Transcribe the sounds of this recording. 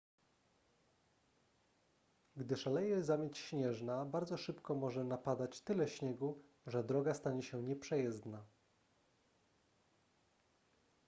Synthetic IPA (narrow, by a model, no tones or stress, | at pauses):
ɡd̪ɘʂalɛjɛzamʲjet͡ɕɕɲɛʐnabaɾd̪zɔʂɘpkɔmɔʐɛnapad̪at͡ɕt̪ɘlɛɕɲɛɡu | ʐɛd̪ɾɔɡast̪aɲɛɕɛɲɛpʂɛjɛzd̪na